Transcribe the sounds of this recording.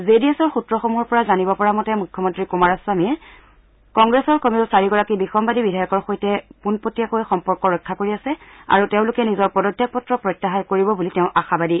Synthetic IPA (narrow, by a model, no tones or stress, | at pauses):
zediesɔɹxutɹɔxomuɦɔɹpɔɹazanibɔpɔɹamɔtɛmukʰːɔmɔntɹikumaɹasamiɛ | kɔŋɡɹesɔɹkomiʊsaɹiɡɔɹakibixɔmbadibidʱajɔkɔɹxojtɛpunpotijakojxɔmpɔɹkɔɹɔjkʰːakoɹiasɛa̰ɹuteʊ̃lʊkɛnizɔɹpɔdɔtʰːjak̚pɔtɹɔpɹɔjtːaɦaɹkoɹibɔbuliteʊ̃ʔaxabadi